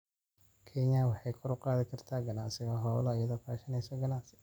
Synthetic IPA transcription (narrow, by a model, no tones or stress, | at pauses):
kʰɛɲɐwɑħɑjkʰʊɾʊqɑːðɪkʰɐrt̪ʰaːɡɐlaːsɪɣɐɦɔːlɔɐjɐðɔːkʰaːʃɐnɛjsɔɡɐlaːsɪ̥